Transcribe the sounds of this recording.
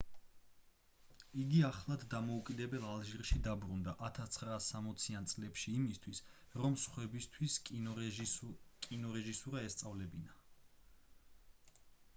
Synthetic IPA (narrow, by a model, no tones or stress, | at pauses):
iɡiaχlˠad̪ːamɔukʼid̪ɛbɛlˠalˠʒiɾʃid̪abɾund̪aʔat̪ʰast̪sʰχɾaːsːamɔt̪sʰiant̪sʼlɛpʃiːmist̪ʰwis | ɾɔmsχwɛbist̪ʰwis | kʼinɔɾɛʒisuɾaɛst̪sʼavlɛbina